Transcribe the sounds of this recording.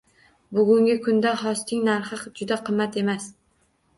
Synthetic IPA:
bʊɡʲʊŋɡʲɪkʰʊnd̪ahɒst̪ʰɪŋnaɾχɨqd͡ʒʊd̪aqʰɨmːat̪ʰe̞mas

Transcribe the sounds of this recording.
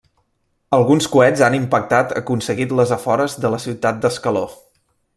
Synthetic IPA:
əlˠɣunskuɛzanimpək̚t̪at̪ə̰kunsəɣit̪ləzəfɔɾəzðələsiwt̪at̪̚d̪əskəlo

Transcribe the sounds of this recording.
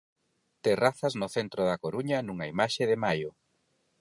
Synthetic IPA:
t̪eraθɐznʊθent̪ɾoðɐkoɾuɲɐnuŋɐimaʃeðɪmajʊ

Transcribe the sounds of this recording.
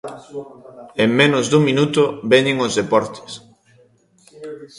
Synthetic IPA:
eŋmenʊzðuŋminut̪ʊβɛɲeŋoʊzðepɔɾt̪e̥s

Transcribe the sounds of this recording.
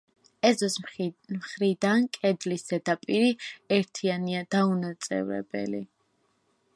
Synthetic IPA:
ɛzɔsmχɾid̪ankʼɛd̪lisɛd̪apʼiɾiɛɾt̪ʰianiad̪aunat̪sʼɛ̰vɾɛ̰bɛ̰li

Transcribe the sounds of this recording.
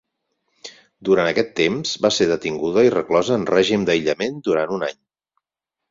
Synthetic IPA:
d̪uɾanəkɛt̪ːemz̥βaseðət̪iŋɡuðəirəklɔzəːnrɛʒimd̪əjʎəmend̪uɾant̪unaɲ

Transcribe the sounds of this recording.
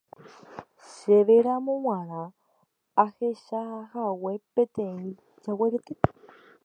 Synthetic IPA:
ʃeβeɾamõwãɾ̃ã | aheʃahawepet̪ẽĩ | d͡ʒaweɾet̪e

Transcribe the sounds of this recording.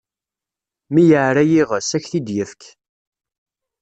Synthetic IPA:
mijəʕɾæjiʁəsæçθid̪jəfk

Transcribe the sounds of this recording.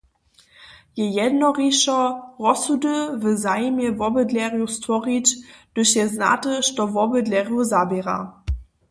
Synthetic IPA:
jɛjɛdnɔʁiʃɔʁɔsudəvəzajmjɛvɔbədlʲɛʁjustvɔʁit͡ɕd̥əɕjɛzna̰təʃtɔvɔbədlɛʁjuzabɛʁa̰

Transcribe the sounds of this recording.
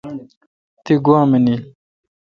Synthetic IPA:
t̪iɡwãːmeni

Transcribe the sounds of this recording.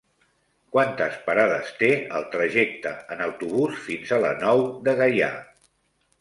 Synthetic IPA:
kwant̪əspəɾaðəst̪eəlˠt̪ɾəʒɛk̚t̪əənəwt̪uβ̞usfinzələ̰nɔwðəɣaja̰

